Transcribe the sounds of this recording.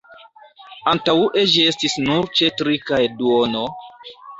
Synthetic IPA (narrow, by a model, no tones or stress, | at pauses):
antauʔed͡ʒie̞stisnuɾt͡ʃe̞tɾikajduono